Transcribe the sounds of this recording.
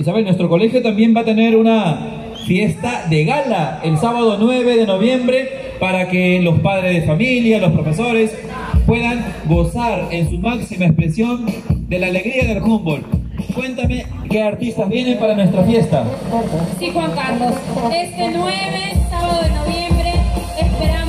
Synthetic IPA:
isaβenwe̞st̪ɾo̞ko̞le̞xjot̪ambje̞mbat̪e̞ne̞ɾuna | fje̞st̪aðe̞ɣalaelsaβað̞o̞nwe̞βe̞ðe̞no̞β̞je̞mbɾe̞ | paɾakelo̞spað̞ɾezðefamiljalo̞spɾo̞fe̞so̞ɾe̞s | pwe̞ðaŋɡo̞saɾensumaksimaespɾesjo̞nd̪e̞laːle̞ɣɾiaðe̞lfumbo̞lkwe̞nt̪ame̞ | ke̞aɾt̪ist̪azβje̞ne̞mpaɾanwe̞st̪ɾafje̞st̪aaɾsixwaŋkaɾlosest̪enweβesaβaðoðenoβjembɾeː | speɾa

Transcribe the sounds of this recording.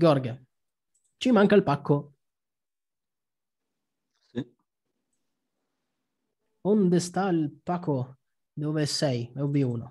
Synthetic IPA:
ɡɔɾɡa | t͡ʃimaŋkailpakːo | i | ond̪est̪ailpakːo | d̪oːvesɛjmeuvːiuːno

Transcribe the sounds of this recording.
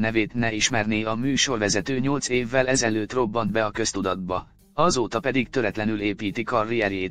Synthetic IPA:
nɛveːt̪nɛiʃmɛrniɒmyːʃo̞rvɛzɛt̪øːɲo̞lt̪seːvːɛlɛzɛløːt̪ro̞bːɒnd̪bɛɒkø̞st̪ud̪ɒd̪̚bɒ | ɒzoːt̪ɒpɛd̪iɡt̪ø̞ɾɛt̪lɛnyleːpiːt̪ikɒrːijɛɾeːt̪

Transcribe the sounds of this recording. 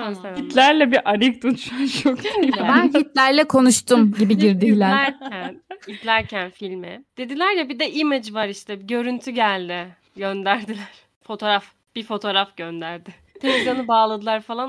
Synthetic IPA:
aɛit̪lʲæɾlʲɛbiʔaɾik̚d̪ot̪ʰʃat͡ʃʰokbænhit̪lʲæɾlʲɛkʰo̞nuʃt̪ʰumɟibiɟiɾd̪iklʲæɾɾcʰænit̪lʲæɾcʰænfilʲmɪd̪̥ed̪ilʲæɾjabid̪ɛʔimed͡ʒvaɾiʃt̪ʰɛbɟø̞ɾynt̪ʰyɟælʲd̪ɪ | ɟønd̪æɾd̪ilʲæɾ̥ | fo̞t̪ʰo̞ɾaf | b̥ifo̞t̪ʰo̞ɾafɟønd̪æɾd̪ɪ | t̪ʰe̞lʲeɡɾanɯbaːlˠad̪ɯlˠaɾfalˠan

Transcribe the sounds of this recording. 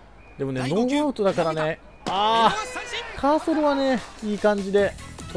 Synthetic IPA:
d̪̥e̞mo̞ne̞no̞ːbaɯt̪od̪akaɾane̞ | aː | kʰaːsoɾɯβane̞iːkãɲ̟d͡ʑid̪e̞

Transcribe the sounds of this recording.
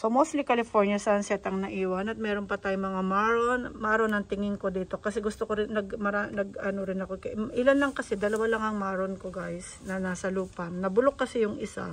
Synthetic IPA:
somost̪likɐlɪfoɹnjɐsɐɐnsɛt̪ɐŋnɐʔiːwɐnɐt̪̚mɛːɾo̞npɐt̪aːjoŋmɐŋamaɹonmaːɾonɐŋt̪ɪŋɪŋko̞d̪iːt̪o̞kɐsɛɡʊst̪okoɾɪnːɐɡmɐɾanɐɡɐnoɾɪnɐkokɛʔɪlanlɐŋkɐsɛd̪ɐlɐwalɐŋɐŋmaːɾonkoɡajsnɐnaːsɐluːpɐnɐbʊlokːɐsɛjʊŋʔɪsa̰

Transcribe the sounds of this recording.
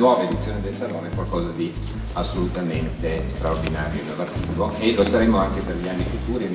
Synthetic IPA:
wɔːvaed̪it̪sːjoːned̪elsaloːnɛkwalkɔːzad̪i | asːolut̪ament̪est̪ɾaord̪inaːɾjoed̪alart̪iːvoelosaɾemoaŋkeperʎianːifukuːɾi

